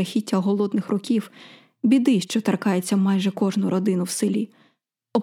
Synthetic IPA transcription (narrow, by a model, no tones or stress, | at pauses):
ɐxʲitʲːɐɦɔlˠɔd̪nɪxrɔkʲiw | bʲid̪ɪʃt͡ʃɔt̪ɐrkɑjet͡sʲːɐmɑjʒɛkɔʒnʊɾɔd̪ɪnʊwsɪlʲi | ɔ